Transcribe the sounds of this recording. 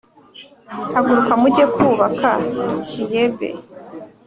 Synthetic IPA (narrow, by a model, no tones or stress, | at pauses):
haɡuɾukamuɟekuːβakacijebḛ